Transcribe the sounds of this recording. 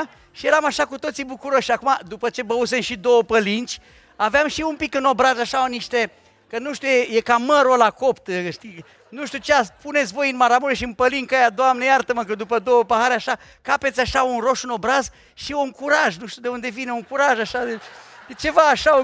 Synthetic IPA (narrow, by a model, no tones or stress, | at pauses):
ʃije̞ɾamaʃakut̪o̞t̪sibukuɾo̞ʃːiakumad̪upət͡ʃe̞bəus̬e̞mʃid̪o̞wəpəlint͡ʃʲ | aveamʃiumpikɨno̞bɾazaʃaoniʃt̪e | kənuʃt̪ujejekaməɾolako̞pt̪ʃt̪i | nuʃt̪ut͡ʃeapunet̪sʲvo̞jɨnmaɾamuɾeʃiɨnpəliŋkajad̪oamnejart̪əməkəd̪upəd̪o̞wəpaɦaɾeaʃa | kapet̪sʲaʃaunro̞ʃɨno̞bɾaz | ʃiuŋkuɾaʒnuʃt̪ud̪e̞und̪e̞vineuŋkuɾaʒaʃad̪ed̪et͡ʃe̞vaːʃao